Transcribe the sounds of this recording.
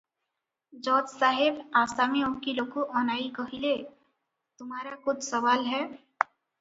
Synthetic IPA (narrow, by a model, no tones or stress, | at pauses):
d͡ʒɔːd͡ʒsaːɦɪbaːsameõkiloːkoʔɔːnaːikəɦile | t̪ʊmɦaːɾakʊt͡ʃʰsɐʋaːlɦɛː